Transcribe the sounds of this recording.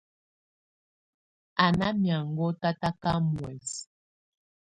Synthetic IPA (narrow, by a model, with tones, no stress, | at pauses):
a˨na˦mja˨ŋɡɔ˦ta˦ta˦ka˦mwɛ˨s